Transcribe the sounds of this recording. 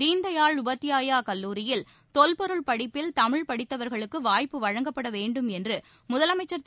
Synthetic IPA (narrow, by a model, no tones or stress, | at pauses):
iːnd̪ɐjaːɭʊbɐt̪ːɪjaːjaːkɐlːuːɾɪjɪl | t̪ɔlpɔɾɯɭpɐɽɪpːɪlt̪ɐmɪɻpɐɽɪt̪ːɐʋɐɾɣɐɭɯkːɯʋaːjpːɯʋɐɻɐŋɡɐpːɐɽɐʋeːɳɖɯmɛndrɯ | mʊðɐlɐmɐɪt͡ʃːɐɾt̪